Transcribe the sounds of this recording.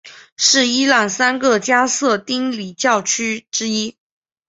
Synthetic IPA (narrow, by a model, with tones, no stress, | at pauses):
ʂɻ̩˥˩i˥la˥˩nsa˥nɡə˥˧t͡ɕja˥sɤ˥˩t̪i˥ŋli˨˩t͡ɕjɑ˥˩ʊt͡ɕʰy˥ʈ͡ʂɻ̩˥i˥